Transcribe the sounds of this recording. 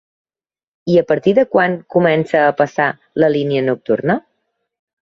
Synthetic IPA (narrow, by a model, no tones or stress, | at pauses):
iəpəɾt̪iðəkwaŋkumɛnsəːpəsa | ləliniənuk̚t̪ṵrnə